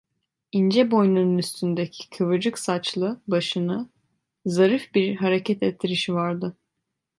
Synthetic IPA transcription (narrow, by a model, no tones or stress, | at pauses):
ind͡ʒɛbo̞jnununyst̪ʰynd̪ecʰi̥kʰɯvɯd͡ʒɯksat͡ʃlˠɯbaʃɯnɯ | zaɾɯfbiɾɦaɾecɛt̪ʰɛt̪ʰːiɾiʃivaɾd̪ɯ